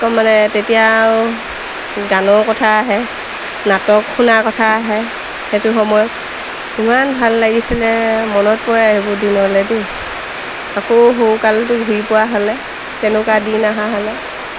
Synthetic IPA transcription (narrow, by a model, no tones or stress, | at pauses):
kɔmanɛtetija | ɡanɔɹkɔtʰaːɦɛ | natɔkxunakɔtʰaːɦɛ | xetʊxɔmɔjɔt̚ | imanbʱalːaɡisɛlɛmɔnɔt̚pɔɛaɦibɔdinɦɔlɛde | akoɦowkaltʊɡʱuipʊwaɦɔlɛ | tɛnʊkadinaɦaɦɔlɛ